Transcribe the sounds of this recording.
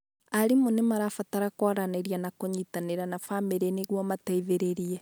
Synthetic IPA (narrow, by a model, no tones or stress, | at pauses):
aɾimonemaɾafataɾakwɔɾaneɾianakoɲitaneɾanafameɾeneɣwɔmataiβeɾeɾiɛ